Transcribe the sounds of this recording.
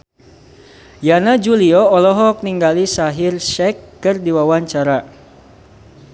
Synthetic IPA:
janad͡ʒuliɔɔlɔɦɔk̚niŋɡalisaɦirʃɛkːɨrdiwawaɲt͡ʃaɾa

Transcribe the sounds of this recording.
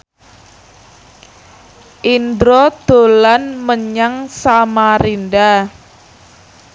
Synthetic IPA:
ʔind̪ɾɔd̪̥o̤lanməɲaŋsamaɾinda

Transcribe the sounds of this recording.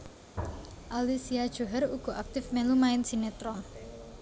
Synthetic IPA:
ʔalisiad̥ʒ̥o̤ɦɛɾuɡ̥ɔ̤ʔak̚t̪ɪfmelumaɪnsinet̪ɾɔn

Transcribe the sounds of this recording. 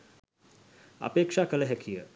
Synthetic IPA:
a̰peːkʂaːkələɦɛkʰijə

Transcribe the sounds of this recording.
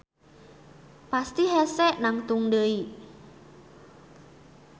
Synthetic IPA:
past̪iɦɛsɛʔnaŋt̪uŋdəi

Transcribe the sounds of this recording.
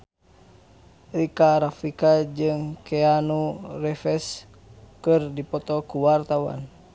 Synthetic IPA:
rikaɾafikad͡ʒɨŋkɛanurɛfɛs | kɨrdipɔt̪ɔkuwart̪awa̰n

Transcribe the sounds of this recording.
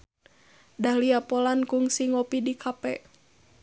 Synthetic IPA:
dahliapɔlankuŋsiŋɔpidikʰapɛ

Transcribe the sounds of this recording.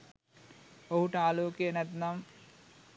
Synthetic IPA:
oɦuʈaːloːkjenɐt̪nɐm

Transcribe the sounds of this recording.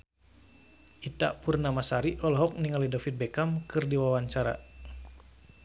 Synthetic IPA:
ʔit̪a̰ʔpurnamasaɾiʔɔlɦɔk̚niŋalidafit̪̚bɛkamkɨrdiwawaɲt͡ʃaɾa̰

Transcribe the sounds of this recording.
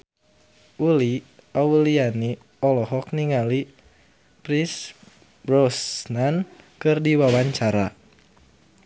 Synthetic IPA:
ʔuli | auliani | ɔlɔɦɔk̚niŋali | pɾis | brɔsnankɨrdiwawaɲt͡ʃaɾa

